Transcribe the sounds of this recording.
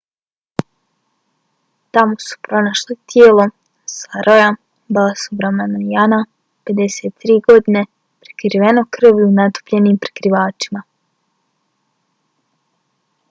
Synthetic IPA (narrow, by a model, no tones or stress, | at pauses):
t̪amosu̥pɾo̞naʃlit̪jeːlˠo | saɾʔoja | balasubɾamanaijana | pe̞d̪e̞seːt̪ːɾiːɡo̞d̪ine̞ | pɾi̥kɾiʋe̞no̞kr̩ʋunat̪u̥pʎe̞niːmpɾi̥kɾiʋaːt͡ʃima